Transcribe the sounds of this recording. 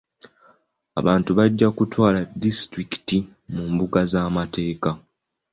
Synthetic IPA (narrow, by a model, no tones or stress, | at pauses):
a̰βaːntuβaɟːakutwaːladistɾiki̥ti | muːmbuɡazaːmate̞ːka